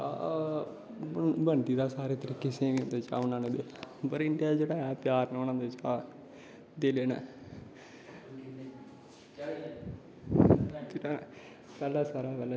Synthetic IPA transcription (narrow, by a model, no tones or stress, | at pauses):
bəɳɖiːd̪aːsaːɾeːt̪əɾiːkɪsẽːʋĩːnd̪eːt͡ʃa̰ːʊnãːneːd̪eːpəɾɪɳɖijaːd͡ʒeːɽaːɦɛpjaːɾnonãːnd̪et͡ʃaː | d̪eːleːnaː | d͡ʒeːa | pɛːlaːsaːɾaːpɛːlɛ